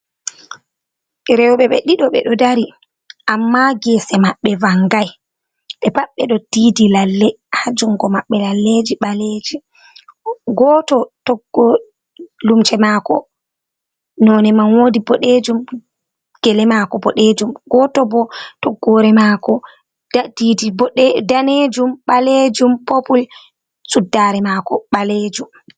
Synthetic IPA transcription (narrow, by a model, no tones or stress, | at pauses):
ɾɛwɓɛɓɛɗiɗɔɓɛ̰ɗɔdaɾi | ʔamːaɡɛsɛmaɓːɛvaŋɡaj | ɓɛpaɓːɛɗɔtidilalːɛ | had͡ʒuŋɡɔmaɓːɛlalːed͡ʒiɓaled͡ʒi | ɡɔtɔtɔɡːɔ | lumt͡ʃɛmakɔ | nɔnɛmanwodibɔɗed͡ʒum | ɡ̥ɛlɛmakɔbɔɗed͡ʒumɡɔːtɔbɔtɔɡːɔɾɛmaːkɔ | didibdaned͡ʒumɓaled͡ʒumpopul | sudːaɾɛmakɔɓaled͡ʒum